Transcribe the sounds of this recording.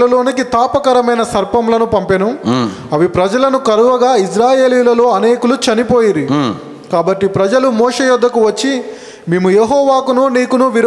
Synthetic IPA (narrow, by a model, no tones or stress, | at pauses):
lɐlo̞ːnikit̪aːpɐkɐɾɐmɐjnɐsɐɾpɐmlɐnupɐmpenum | ɐʋipɾɐd͡ʒɐlɐnukɐɾuʋɐɡaːisɾaːje̞ːliːlɐlo̞ːɐneːkulut͡ʃɐnipoːjiɾi | kaːbɐʈːipɾɐd͡ʒɐlumɔːʂeːjud̪ʱːɐkuʋɐt͡ʃːi | meːmujeɦɔːʋaːkununiːkunuʋiɾ